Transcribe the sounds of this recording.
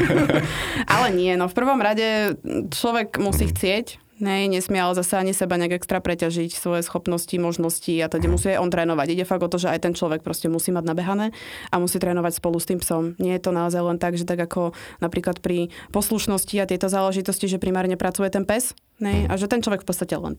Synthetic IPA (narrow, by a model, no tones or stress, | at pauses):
ʔalɛɲɪɛnɔfpr̩ʋɔmɾaɟɛt͡ʃlɔʋɛɡmusiːxt͡sɪɛc | ɦɛjɲɛsmɪɛlzasɛaɲisɛbaɲɛaɡɛkst̪ɾapɾɛcaʒicsʋɔjɛsxɔpnɔscimɔʒnɔsciat̪ɛɟɛmusiːajʔɔnt̪ɾɛːnɔʋaɟiɟɛfaɡɔt̪ɔʒɛajt̪ɛnt͡ʃlɔʋɛk̚pɾɔscɛmusiːmaɟnabɛɦanɛːʔamusiːt̪ɾɛːnɔʋacspɔlust̪iːmpsɔmɲɪɛjɛt̪ɔnaɔzajlɛnt̪aɡʒɛt̪aɡakʰɔnapɾiːklat̪pɾipɔsluʃnɔsciat̪ɪɛt̪ɔzaːlɛʒit̪ɔsciʒɛpɾimaːɾɲɛpɾat͡sujɛt̪ɛnpɛs | ɦɛjaʒɛt̪ɛnt͡ʃlˠɔʋɛkfpɔt̪t͡sːt̪acɛlɛ̰n